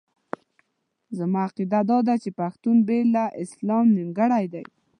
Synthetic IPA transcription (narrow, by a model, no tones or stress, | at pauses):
zamɑaqid̪ad̪ɑd̪at͡ʃepaxt̪unbelaʔɪslɑmnɪŋɡaɽajd̪a̰j